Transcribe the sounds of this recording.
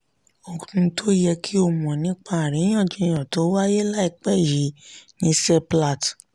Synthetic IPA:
o˧kũ˧tʰo˦jɛ˧kʰi˦o˧mɔ̃˨nĩ˨˦k͡pa˦˨ɾĩ˨˦j̃ɔ̃˦˨d͡ʒĩ˧j̃ã˨to˨˦wa˦je˦la˦i˦˨k͡pɛ˦˨ji˨˦nĩ˧˦sɛ˦pla˦˨t

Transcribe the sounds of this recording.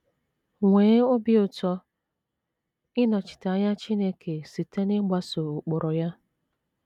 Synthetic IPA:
ŋʷeː˨˦ʊ˦bɪ˦ʊ˨tɔ˦ | ɪ˦nɔ˨t͡ʃɪ̥˨ta˨˦ɲa˦t͡ʃi˦ne˦kʰe˨si˨te˦nɪ˦ɡ͡ba˦so˨ʊ˨k͡pʊ˨ɾɔ˨ja˦

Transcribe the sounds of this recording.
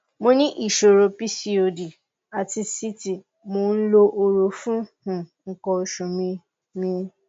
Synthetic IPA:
mo˧nĩ˦ʔi˦˨ʃo˨ɾo˨pi˦si˨o˨di˨ | a˨ti˧si˦ti˨ | mo˨˦n̩˦lo˧ʔo˧ɾo˨fũ˦hũ˨ŋ̩˨kɔ˧o˧ʃũ˨mĩ˧ | mĩ˧

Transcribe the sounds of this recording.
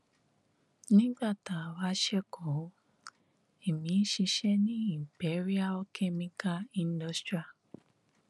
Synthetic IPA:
nĩ˦ɡ͡ba˦˨ta˨wa˦ʃɛ˦kʰɔ̃˨˦ | e˨mĩ˨˦ʃi˧ʃɛ˦nĩ˦i˦˨bɛ˨˦ɾi˦a˦ɔ˧˦kʰɛ˦mĩ˧ka˦ĩ˧ndɔ˧˦stɾi˦a˨

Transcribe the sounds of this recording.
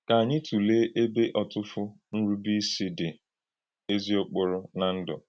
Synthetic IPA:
ka˨a˨ɲɪ˦tu˨le˦ʔe˦be˦ʔɔ˨tʊ˦fʊ˦ | n̩˦ɾu˦bi˦si˦dɪ˨ | e˦zi˦ʊ˦k͡pʊ˦ɾʊ˦na˨n̩˦dɔ̰˨

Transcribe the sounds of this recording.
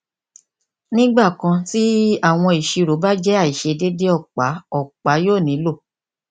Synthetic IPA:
nĩ˦ɡ͡ba˦˨kã˧ti˦a˦˨w̃ɔ̃˧i˨ʃi˧ɾo˨˦ba˦d͡ʒɛ˦a˦˨i˨ʃe˧de˦de˦ɔ˦˨k͡pa˨˦ɔ˦˨k͡pa˨˦joː˦˨nĩ˨˦lo˦˨

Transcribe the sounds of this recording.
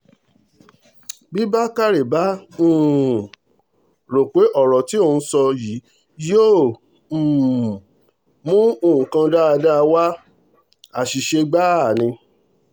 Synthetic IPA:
bi˦ba˦ka˦ɾe˨ba˨˦m̩̃ː˦˨ | ɾo˨ke˨˦ʔɔ˦˨ɾɔ˨ti˨˦o˧˨˧ũ˧sɔ˧ji˨˦ | jo˦˨ | mũ˦o˧˨ũ˨kã˧da˦a˧da˦˧wa˦ | a˨ʃi˨ʃe˧ɡ͡ba˦˨nĩ˧

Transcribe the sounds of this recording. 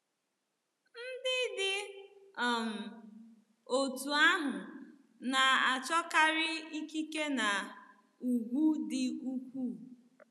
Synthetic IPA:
n̩˦dɪ˦dɪ˦˨ | m̩˨ | o˨tu˨a˦ɦʊ˨ | na˨a˨t͡ʃɔ˦ka˦ɾɪ˦i˦ki˦ke˦na˨ | u˨ɡ͡bu˦dɪ˨u˦kʷu˦˨

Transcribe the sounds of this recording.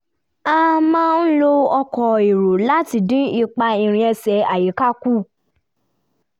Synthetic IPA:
a˦mãː˦n̩˦lo˦ɔ˧kɔ˧i˨ɾo˨la˦ti˧˨dĩ˦i˧k͡pa˧i˧ɾ̃ĩ˧ɛ˧sɛ˧a˨ji˨˦ka˦ku˦˨

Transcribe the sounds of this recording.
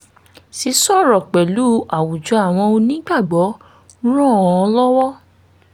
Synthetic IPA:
si˨˦sɔ˦˨ɾɔ˨k͡pɛ˨lu˦a˨wu˨d͡ʒɔ˨˧˦a˦˨w̃ɔ̃˧o˧nĩ˨˦ɡ͡ba˦˨ɡ͡bɔ˨˦ | ɾ̃ɔ̃˦˨ɔ˧lɔ˦wɔ˦

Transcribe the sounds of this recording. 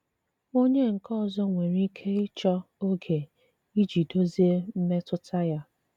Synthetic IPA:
o˦ɲe˦ŋ̩˨kɔ˦˨zɔ˦ŋʷe˨ɾi˦kʰe˦ɪ˦t͡ʃɔ˦o˦ɡe˨ | i˦d͡ʒi˨do˦zi˦e˦m̩˦me˦tʊ˦tʰa˦ja˦

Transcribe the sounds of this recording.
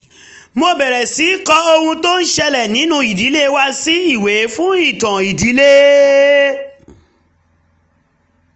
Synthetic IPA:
mo˧bɛ˨ɾɛ˨si˨˦kɔ˦o˧hũ˧to˦n̩˦ʃɛ˧lɛ˨nĩ˨˦nũ˧i˨di˨˦le˦wa˦si˦i˦˨we˨˦fũ˦i˦˨tã˨i˨di˨˦le˦

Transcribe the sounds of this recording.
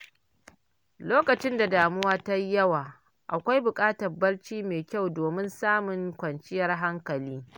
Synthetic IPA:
loː˦kɐ˨t͡ʃɪ˦nda˨daː˨mʊ˦waː˦ta˦jjɐ˦waː˨ | ʔa˨kʷa˦jbʊ˨kʼaː˦tɐ˨rbɐ˦ɽt͡ʃiː˦meː˨kʲa˦˨wdoː˨mɪ˦nsaː˦mʊ˨ŋkʷɐ˨nt͡ʃɪ˦jɐ˨rɦa˦ŋkɐ˨liː˦

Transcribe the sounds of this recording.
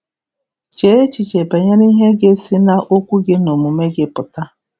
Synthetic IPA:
t͡ʃe˨˦e˦t͡ʃi˨t͡ʃe˨ba˨ɲa˦ni˦ɦe˦ɡe˦si˦na˦ʔo˦kʷu˦ɡɪ˦no˨mu˨me˦ɡɪ˦pʊ˨ta˦

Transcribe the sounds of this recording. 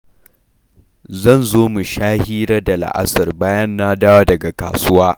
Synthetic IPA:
zɐ˦˨nzoː˦mu˨ʃaː˦hiː˦ɾɐ˦da˨la̰˨ʔa̰˦sɐ˨rbaː˦jɐ˦nːaː˦daː˦waː˦dɐ˨ɡa˨ka̰ː˨sʊ˦waː˦

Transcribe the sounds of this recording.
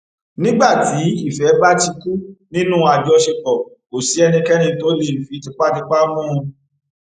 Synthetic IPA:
nĩ˦ɡ͡ba˦˨ti˨˦i˦˨fɛ˨˦ba˦ti˧ku˦nĩ˦nũ˦a˨d͡ʒɔ˧˦ʃe˧bɔ˨ | ko˨si˨˦ɛ˧nĩ˧kɛ˦nĩ˧to˦le˦˨fĩ˨˦ti˧˦k͡pa˦ti˦k͡pa˦mũ˦ũ˧

